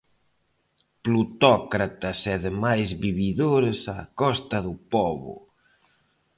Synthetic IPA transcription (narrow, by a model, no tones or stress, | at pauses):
plut̪ɔkɾat̪asɛðemajzβiβiðoɾesakɔst̪ɐðupɔβʊ̰